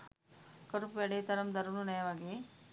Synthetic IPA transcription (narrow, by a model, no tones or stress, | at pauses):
kɐɾupʋeɽet̪ɐɾɐmd̪ɐɾununɐjɐʋaːɡi